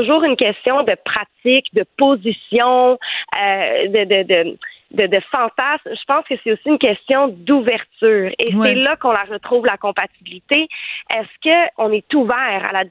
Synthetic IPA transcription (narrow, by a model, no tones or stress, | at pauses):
uʒuːʁynkʲɛst̪jɔ̃d̪əpχat̪ɪkd̪əpozisjɔ̃ød̪əd̪əd̪əd̪əd̪əfɑ̃t̪asmʒəpɑ̃ːskəsɛosiynkʲɛst̪jɔ̃d̪uvɛʁt̪yːʁesɛlakɔ̃laʁət̪χuːvlakɔ̃pat̪ibilit̪eɛskʲəɔ̃nɛt̪uvɛːʁa̰la